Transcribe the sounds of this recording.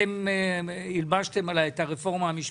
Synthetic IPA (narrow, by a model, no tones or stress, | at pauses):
em | ilbaʃt̪e̞malajet̪aʁefo̞ʁmaːmiʃ